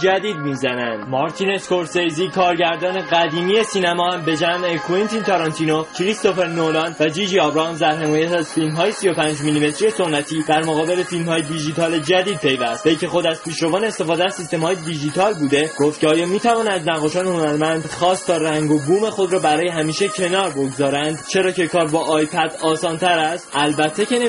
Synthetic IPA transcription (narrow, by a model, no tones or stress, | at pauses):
d͡ʒæd̪iːd̪̚miːzænæ̰nd̪mɒɾt̪ʰineskoɾsejziːkʰɒːɾɟæɾd̪ɒːne̞ɣæd̪iːmiesiːnæmɒːhæmbe̞d͡ʒæmekʰuint̪ʰint̪ʰɒɾɑnt̪ʰinocʰɾist̪o̞feɾnolɒːnd̪væd͡ʒid͡ʒiɒbɾɒnzd̪æɾɦe̞mɒːjæt̪æzfilmɦɒːje̞sijo̞pʰænd͡ʒminime̞t̪ʰɾije̞so̞nːæt̪ʰiːd̪̥æɾmoɣɒːbe̞le̞filmhɒːjed̪iʒd͡ʒit̪ʰɒːle̞d͡ʒæd̪iːd̪̚pʰe̞jvæst̪veicʲʰe̞xo̞d̪æz̥pʰiːʃɾɒvɒːneːst̪e̞fɒːd̪eæzsist̪e̞mhɒːjed̪id͡ʒit̪ʰɒːlbuːd̪e̞ɡ̥oft̪̚cʰeɒːjɒːmiːt̪ʰævɒːnænd̪næɣɒːʃɒːneho̞næɾmænd̪χɒːst̪ʰɒːɾæŋɡo̞ɡuːme̞xo̞d̪ɾɒːbæɾɒːje̞ɦæmiːʃecʰe̞nɒːɾbo̞ɡzɒːɾænd̪t͡ʃʰe̞ɾɒːce̞kʰɒːɾbɒːʔɒːjpʰæd̪ɒːsɒːnt̪ʰæɾæst̪ʔælbæt̪ʰːe̞ce̞ne